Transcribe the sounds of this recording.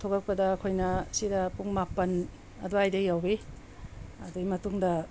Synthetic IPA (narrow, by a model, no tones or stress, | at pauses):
tʰoɡɐk̚pɐdɐːkʰojnɐsidɐpuŋmapɐn | ɐ̰duajdɐjawbe | ɐduɡimɐtuŋdɐ